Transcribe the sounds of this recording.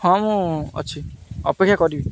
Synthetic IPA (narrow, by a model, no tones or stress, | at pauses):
ãmuɔ̰t͡ʃʰiɔ̰pekʰːjakɔɾibi